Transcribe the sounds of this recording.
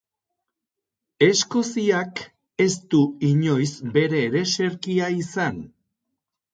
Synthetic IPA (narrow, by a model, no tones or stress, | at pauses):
e̞sko̞siak | e̞st̪uiɲo̞jsbe̞ɾe̞ːɾe̞se̞ɾkiaisan